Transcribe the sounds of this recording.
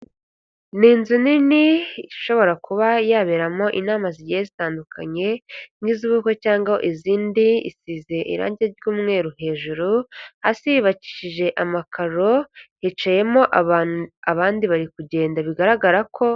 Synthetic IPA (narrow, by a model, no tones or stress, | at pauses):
niːnzuniniiʃo̞βo̞ɾakuβajaːβeɾamo̞ʔinaːmaziɟijezitaːndukʰa̰ɲe̞niziβuko̞caːŋɡao̰ʔiziːndiḭsize̞ʔḭɾa̰ːɲɟieɟjuːmŋe̞ːɾuɦe̞ːʒuɾuhasijiβaci̥ʃiʒe̞ʔamakʰaɾo̞hit͡ʃaje̞mo̞ʔ | aβaːndiβaɾikuɟe̞ːndaβiɡaɾaɡaɾakʰo̞